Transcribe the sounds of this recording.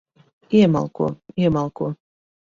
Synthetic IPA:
iɛma̰lˠkuɔiɛmalˠkuɔ

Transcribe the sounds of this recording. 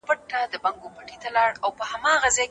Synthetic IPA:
pəʈːad̪əbaŋɡopaʈit̪alɑɽawpəhamɑɣazɑj

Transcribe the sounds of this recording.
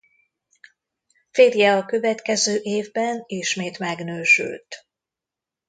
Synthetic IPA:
feːɾjɛɒkø̞vɛt̪kɛzøːʔeːvbɛniʃmeːt̪mɛɡnøːʃy̰lt̪

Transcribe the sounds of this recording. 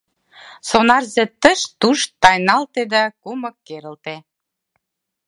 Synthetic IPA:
sonɑrzĕt̪ə̆ʃt̪uʃt̪ɑjnɑlt̪ed̪ɑkumə̆kːeɾə̆lt̪e

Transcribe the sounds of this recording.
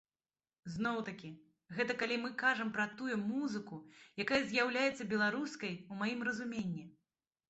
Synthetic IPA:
zn̪ɔwt̪ɐkʲi | ɣɛt̪ɐkalʲimɨkaʐɐmpɾɐt̪ujumuzɨkujakajɐzʲjawlʲajɛt̪sːɐbʲɛlˠaɾuskɐjumajimrɐzumʲenʲːi

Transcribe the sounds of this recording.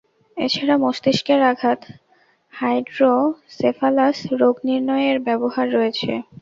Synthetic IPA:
ḛt͡ɕʰaɾamoʃt̪iʃkeɾaɡʱat̪ | hajɖɾosefʰalasɾoɡniɾnɔeeɾbɛboɦaɾːɔet͡ɕʰḛ

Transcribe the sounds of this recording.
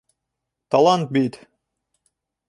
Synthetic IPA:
t̪ɑlˠɑnt̪̚bit̪

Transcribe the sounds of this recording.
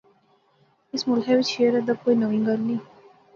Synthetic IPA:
ɪsmʊlɦɛʋɪt͡ʃʃeəɾɛd̪akoːiːnəʋĩːŋɡəɾnĩː

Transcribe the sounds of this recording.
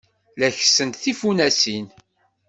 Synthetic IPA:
læçsənt̪θifunæsin

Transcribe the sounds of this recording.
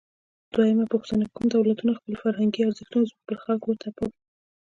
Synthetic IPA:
d̪̥wajəmapuxt̪anakumd̪awlat̪unaxpəlfaɾɦaŋɡiaɾzəxt̪unzmuxpəlxɑlkwəɾt̪ʰapaw

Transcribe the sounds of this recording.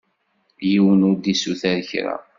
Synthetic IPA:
jiwənʊɾd̪isuθæðəçɾa̰

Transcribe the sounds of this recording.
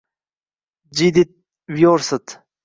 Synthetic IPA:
d͡ʑid̪it̪̚ | wjoːɾsət̪

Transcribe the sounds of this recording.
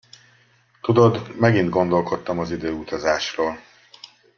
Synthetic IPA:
t̪ud̪o̞d̪mɛɡind̪ɡo̞nd̪o̞lko̞t̪ːɒmɒzid̪øːut̪ɒzaːʃroːl

